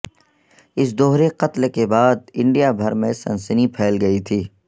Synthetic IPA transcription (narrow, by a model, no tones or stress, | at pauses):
ɪs̬d̪oɦɾeqɐt̪lkebaːd̪̚ɪ̃ɳɖijabʱɐɾmẽsɐ̰̃nsənipʰɛːlɡɐit̪ʰiː